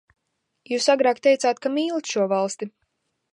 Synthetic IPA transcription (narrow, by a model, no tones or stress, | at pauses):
juːsaɡɾaːkt̪ɛjt̪saːt̪̚kamiːlˠt̪ʃuɔvalˠst̪i